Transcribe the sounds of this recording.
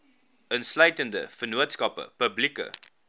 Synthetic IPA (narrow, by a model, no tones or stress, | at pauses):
ənslœɥtəndəfərnuətskɐpə̰pəblikə̰